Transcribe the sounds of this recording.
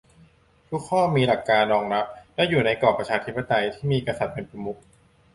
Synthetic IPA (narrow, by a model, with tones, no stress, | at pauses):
t̪ʰu˦˥kʰːɔː˥˩miː˧la˨˩kːaː˧nːɔː˧ŋna˦˥p̚lɛ˦˥juː˨˩na˧jkɔː˨˩pɾa˧t͡ɕʰaː˧t̪ʰi˦˥pːa˨˧t̪a˧jt̪ʰiː˥˩miː˧˨ka˧sa˨˩t̪̚pe˧npɾa˧mu˦˥k̚